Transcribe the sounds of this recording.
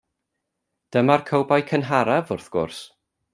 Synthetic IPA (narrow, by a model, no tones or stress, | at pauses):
d̥əmarkʰəwbajkʰənɦaɾavʊrθɡ̥ʊ̰rs